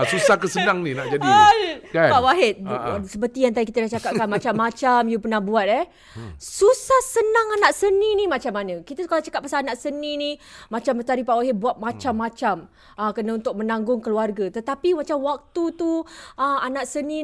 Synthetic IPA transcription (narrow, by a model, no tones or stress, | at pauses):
susahkəsənãŋnĩnaʔd͡ʒadiɡapawaɦet̪̚səpərt̪ijant̪adikit̪adaht͡ʃakaʔkanmat͡ʃaʔmat͡ʃamjupənahbuat̪̚ɛ | susahsənãŋanaʔsənĩnimat͡ʃamanə̃kit̪akalat͡ʃakat̪̚pasaːnaʔsənĩnimat͡ʃambət̪aɾipaʔwaɦebuat̪̚mat͡ʃamːat͡ʃam | əkənaunt̪ʊk̚mənãŋɡʊŋkəluarɡət̪ət̪apimat͡ʃamwak̚t̪ut̪uəmanaʔsənĩ